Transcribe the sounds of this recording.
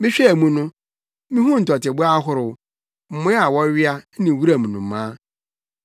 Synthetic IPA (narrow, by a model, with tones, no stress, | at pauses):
mĩ˦ɕᶣɛ˦˨mũ˦nʊ̃˦ | mĩ˦hũ˦n̩˨tʰɔ˨tɪ˨bʊ˦a˦ɦʊ˦ɾʊ˨w | m̩˨mʊ̃˦a˨wɔ˦ɥɪ˦a˦nĩ˨wu˦ɾa˨mũ˨nʊ̃˨m˨mãː˦